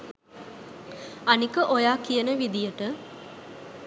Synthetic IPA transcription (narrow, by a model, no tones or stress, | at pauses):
ɐnikəʔojaːkijɐnəʋid̪ijɐʈə